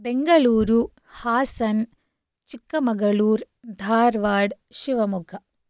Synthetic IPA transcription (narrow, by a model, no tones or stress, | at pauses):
beŋɡɐɭuːɾu | haːsɐn | t͡ʃikːɐmɐɡɐɭuːɾ | d̪ʱaːɾʋaːɖʃiʋɐmuɡʰʱɐ